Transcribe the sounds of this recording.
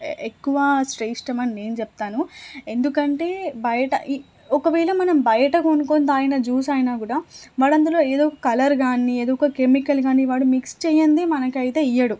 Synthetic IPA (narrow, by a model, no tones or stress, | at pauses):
ekːuʋɐsʈɾejsʈɐmɐnine̞ːnut͡ʃɛp̚t̪aːnue̞nd̪ukɐɳʈe̞ːbɐjɐʈɐ̰ʔi | ɔkɐʋɛːɭɐmɐnɐmbɐjɐʈɐkonukoːnd̪aːjɐnɐd͡ʒuːsaːjɐnaːkuːɽaːʋaːɽɐnd̪ulo̞ːeːd̪oːkɐkɐlɐɾɡaːnieːd̪oːkɐkemikɐlɡaːniʋaːɽumikst͡ʃɛːjɐnd̪imɐnɐkɐjt̪e̞ːijɐɽu